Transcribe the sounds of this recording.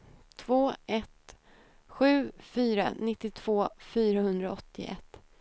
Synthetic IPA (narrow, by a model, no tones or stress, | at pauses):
t̪ʰvoːʔɛt̪ | ɧʉ̟ːfyːɾa̰nɪt̪ːɪt̪ʰv̥oːfyːɾahɵnd̪ɾaɔt̪ʰːɪ̰ʔɛ̰t̪ː